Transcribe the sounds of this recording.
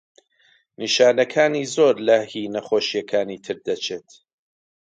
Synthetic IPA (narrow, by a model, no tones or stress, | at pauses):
niʃaːnɐkʰaːniːzoːɾlɐhiːnɐχoːʃijɐkʰaːniːt̪ʰɨɾd̪ɐt͡ʃʰeːt̪